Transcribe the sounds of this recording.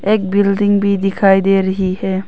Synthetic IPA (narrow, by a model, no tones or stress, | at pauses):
ek̚bildiŋbid̪ikʰajd̪eɾəɦihe